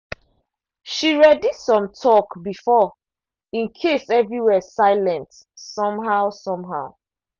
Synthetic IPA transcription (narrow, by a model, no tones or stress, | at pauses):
ʃiɹɛdisɔ̃mtʰɔkbifɔ | ĩnkʰesɛvɹiwɛsaɪlɛ̃nt | sɔ̃mɦaʊsɔ̃mɦaʊ